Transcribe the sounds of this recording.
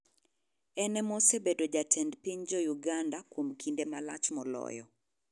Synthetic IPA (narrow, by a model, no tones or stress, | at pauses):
ɛnɛmɔsebedod͡ʒatʰɛndpiɲd͡ʒɔjuɡandakwomkʰindemala̰t͡ʃmɔlɔ̰jɔ̰